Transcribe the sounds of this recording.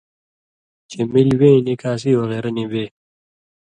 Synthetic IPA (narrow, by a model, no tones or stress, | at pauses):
t͡ɕʰemilweĩnikaːs̬iwɐɣeːɾɐniweː